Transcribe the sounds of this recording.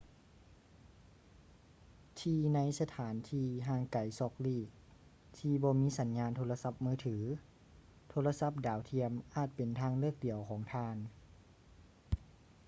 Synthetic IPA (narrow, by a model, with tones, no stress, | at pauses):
t̪ʰiː˧na˧˥jsa˧t̪ʰaː˩˦nt̪ʰiː˧˩ɦaː˧˩ŋka˨˩jsɔ˧k̚liː˧˩ | t̪ʰiː˧bɔː˧miː˧˥sa˨˦nɲaː˧˥nt̪ʰoː˧la˧sa˧˩p̚mɯː˧˥˩t̪ʰɯː˩˦ | t̪ʰoː˧la˧sa˧˥˩p̚daː˨˦wt̪ʰi˧əmʔaː˧˩t̪̚pe˨˩nt̪ʰaː˧˥˨ŋlɯ˥˩ək̚di˨˩˦əwkʰɔː˩˦ŋt̪ʰaː˧˥˨n